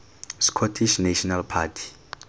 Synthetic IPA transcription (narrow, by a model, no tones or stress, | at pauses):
skʰɔtʰiʃnaʃɔnalpʰatʰi̥